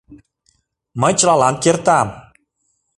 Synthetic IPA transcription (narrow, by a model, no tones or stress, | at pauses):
mət͡ɕɾɑlankiərt̪aːm